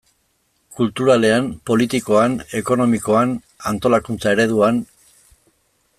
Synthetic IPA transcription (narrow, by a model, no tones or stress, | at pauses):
kult̪uɾale̞ampo̞lit̪iko̞ane̞ko̞no̞miko̞an | ant̪o̞lakunt͡sae̞ɾe̞ð̞uan